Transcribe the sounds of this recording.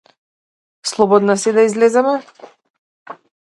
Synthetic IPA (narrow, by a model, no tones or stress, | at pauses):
slˠɔbɔd̪nasɛd̪aizlɛzɛmɛ